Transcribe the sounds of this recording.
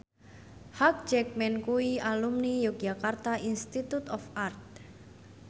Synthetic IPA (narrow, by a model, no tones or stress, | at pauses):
hak̚d͡ʒɛk̚mɛnkuialumnijuk̚d͡ʒakart̪aʔinst̪it̪ut̪ɔfart̪̚